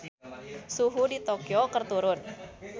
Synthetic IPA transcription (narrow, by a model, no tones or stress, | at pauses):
suɦudit̪okiokərt̪uɾʊn